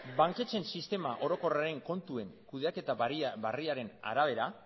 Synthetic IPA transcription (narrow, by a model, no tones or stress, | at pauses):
baŋke̞t͡se̞nsist̪e̞maʔo̞ɾo̞ko̞raɾe̞ŋko̞nt̪ue̞ŋkuðeake̞t̪aiβariaɾe̞na̰ɾaβ̞e̞ɾa